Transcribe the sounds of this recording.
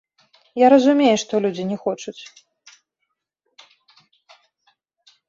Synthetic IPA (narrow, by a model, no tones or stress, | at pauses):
jaɾɐzumʲejɛʂt̪ɔlʲud͡zʲinʲɛxɔt͡ʂut͡sʲ